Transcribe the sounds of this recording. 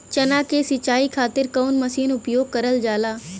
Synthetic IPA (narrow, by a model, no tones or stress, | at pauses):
t͡ʃɐnaːkesɪt͡ʃaːikʰaːt̪ɪɾkɐːnmɐsiːnʊpjoːɡ̚kɐɾəld͡ʒaːlaː